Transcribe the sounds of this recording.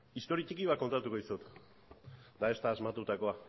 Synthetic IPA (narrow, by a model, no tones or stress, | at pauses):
ist̪o̞ɾiat͡ʃikiβakːo̞nt̪at̪ukoisot̪ | d̪ae̞st̪aːzmat̪ut̪ako̞a